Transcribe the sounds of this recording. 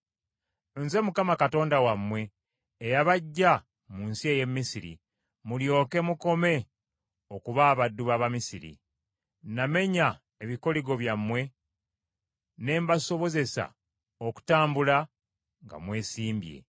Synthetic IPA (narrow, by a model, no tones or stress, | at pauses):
nze̞mukamakato̞ːndawamːwe̞ː | jaβaɟːa | muːnsieje̞mːisiɾḭ | muljo̞ːke̞muko̞me̞ | o̞kuβaːβadːuβaβamisiɾḭ | name̞ɲa | eβiko̞liɡo̞βjamːwe̞ | ne̞ːmbaso̞βo̞ze̞sa̰ | oku̥taːmbula | ŋɡa̰mwe̞ːsiːmbjḛ